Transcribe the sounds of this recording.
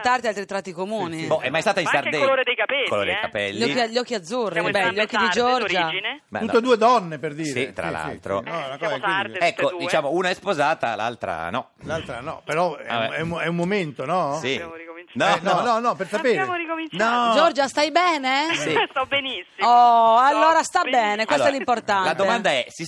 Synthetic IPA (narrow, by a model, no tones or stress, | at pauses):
t̪art̪ialt̪ɾit̪ɾat̪ːikomuːnibɔʔɛmːajst̪aːt̪ainsard̪eloɾed̪ejkapɛlkːooɾed̪ḛjjkapɛlːʎɔikːʎːɔkːiad̪zːurːibɛʎːɔkːid̪id͡ʒɔrd͡ʒɾad͡ʒinema̰ut̪ːed̪ued̪ɔnːeperd̪iːɾit̪ːɾa̰llːa̰lt̪ɾo̰akɔɛkːod̪it͡ʃaːmouːnaɛspozaːt̪a̰la̰lt̪ɾa̰nɔ | lalt̪ɾanɔpeɾɔa̰ɛuɛumːoment̪onɔsinɔnɔnɔnɔpersapekomit͡ʃnɔd͡ʒɔrd͡ʒast̪ajbɛːnesisbenisɔalːoːɾast̪abːɛːnekwesɛlːimport̪anlad̪oemannd̪aɛsi